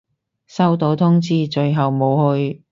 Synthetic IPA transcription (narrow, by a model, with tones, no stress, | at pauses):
sɐ˥wt̪o˨˥wt̪ʰʊ˥ŋt͡siː˥t͡ʃɵ˧ɥɦɐ˨wmo˨˧whɵ˧ɥ